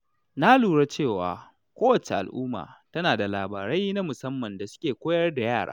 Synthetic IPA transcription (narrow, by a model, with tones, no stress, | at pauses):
na˦luː˨ɽa˦t͡ʃeː˦˨wa̰ː˨ | kʷoː˦wɐ˨t͡ʃe˨ʔa̰˨lʔṵː˦ma̰ː˨tɐ˦naː˨da˨laː˨baː˨ɾa˦jna˦mʊ˨sɐ˦mːɐ˨nda˨sʊ̥˦kʲeː˨kʷoː˦jɐ˦rda˨jaː˦˨ɽʔa̰ː˦